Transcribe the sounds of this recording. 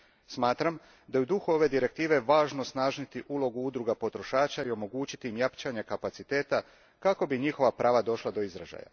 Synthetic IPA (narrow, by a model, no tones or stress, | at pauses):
smaːt̪ɾam | d̪ajud̪uxuo̞ʋe̞d̪iɾe̞k̚t̪iːʋeʋaːʒnosnaːʒnit̪iʔulˠo̞ɡuud̪ɾuɡapo̞t̪ɾo̞ʃaːt͡ʃaio̞mo̞ɡuːt͡ɕit̪iimjapt͡ʃaɲekapat̪sit̪e̞ːt̪a | kako̞biɲixo̞ʋapɾaːʋad̪o̞ʃlˠad̪o̞izɾa̰ʒa̰ja̰